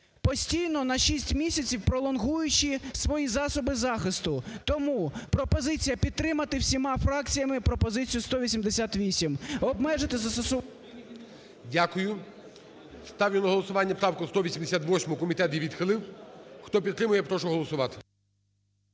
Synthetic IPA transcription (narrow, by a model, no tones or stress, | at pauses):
pɔsʲtʲijnɔnɐʃisʲtʲmʲisʲɐt͡sʲiwpɾɔlˠɔnɦujʊt͡ʃisʋɔjizɑsɔbɪzɑxɪst̪ʊt̪ɔmupɾɔpɔzɪt͡sʲijɐpʲid̪̚t̪ːɾɪmɐt̪ɪwsʲimɑfɾɑk̚t͡sʲijɐmɪpɾɔpɔzɪt͡sʲijʊst̪ɔʋʲisʲimd̪esʲat̪ʋʲisʲimɔbmɛʒɪt̪ɪzɐst̪ɔsʊ | dʲakʊjʊ | st̪ɑwlʲɪnɔɦɔlˠɔsʊʋɑnʲːɐpɾɑwkʊst̪ɔʋʲisʲimd̪esʲat̪ʋɔsʲmɔkɔmʲit̪ɛt̪ʲiʋʲid̪xɪlˠɪwxt̪ɔpʲit̪ːɾɪmʊjɛpɾɔʃʊɦɔlˠɔsʊʋɑt̪ɪ̥